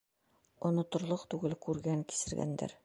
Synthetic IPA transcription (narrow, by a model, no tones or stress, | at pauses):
ŏnŏt̪ŏɾlˠɤqt̪ʉɡɘlkʉɾɡæŋki̥sɘ̆ɾɡæ̰nd̪æ̰ɾ